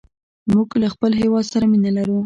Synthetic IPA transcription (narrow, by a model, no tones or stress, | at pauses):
muɡlaxpəlɦewɑd̪saɾaminalaɾu